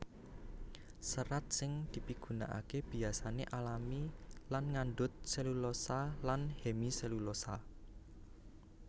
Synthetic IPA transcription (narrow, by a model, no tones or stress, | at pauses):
səɾat̪̚sɪŋd̪̥i̤piɡ̥ṳna̰ʔa̰keb̥i̤asanḛʔalamilanŋanɖʊt̪̚selulosalanhemiselulosa